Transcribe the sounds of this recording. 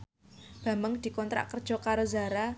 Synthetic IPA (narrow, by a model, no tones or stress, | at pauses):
b̥ä̤məŋd̪̥i̤kɔnt̪ɾa̰ʔkərd̥ʒ̥ɔ̤kaɾozaɾa